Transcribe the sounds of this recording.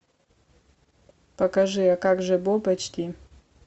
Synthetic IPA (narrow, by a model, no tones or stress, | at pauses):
pɐkɐʐɨjakakʐɛbopɐt͡ʃʰt̪ʰʲi